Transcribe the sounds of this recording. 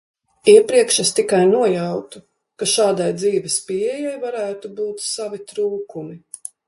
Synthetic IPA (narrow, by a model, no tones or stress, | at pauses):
iɛpɾiɛkʃast̪ikajnuɔjawt̪u | kaʃaːd̪ajd̪ziːvɛspiɛjajvaɾæːt̪ubuːt̪savit̪ɾuːkumi